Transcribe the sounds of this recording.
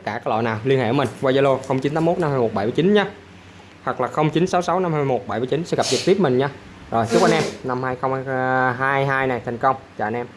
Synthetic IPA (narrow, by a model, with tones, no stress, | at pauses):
t̪ə˦˥kaː˧˩ka˨˦˥lɔ̰˧˨jnaː˨˩wli˧ənhḛ˧˩˨mï˨˩ŋ̟vwaː˧za˧lo˧xə˧wŋ͡mt͡ɕi˨˦nt̪aː˨˦mo˦˥t̚na˧mhaː˧jmo˨˩t̚ɓa˧˩jmɨ˧˩t͡ɕi˨˦nɲa˧ | hwa˨˩k̚laː˨˩xə˧wŋ͡mt͡ɕi˨˦nsa˨˦wsa˨˦wna˧mhaː˧ma˧˩mo˨˩t̚ɓa˧˩jmɨ˧˩t͡ɕi˨˦nsɛ̰˧˥ɣa˨˩p̚zɨ˨˩t̪i˦˥p̚mï˨˩ŋ̟ɲa˧ | zo˨˩jt͡ɕɨ˦˥kʔa˧nʔɛ˧mna˧mhaː˧jxə˧wŋ͡mhːɦaː˧jɦaː˧jna˨˩jt̪ʰa˨˩jŋ̟kə˧wŋ͡mt͡ɕa̰ː˧˨˧nʔɛ˧m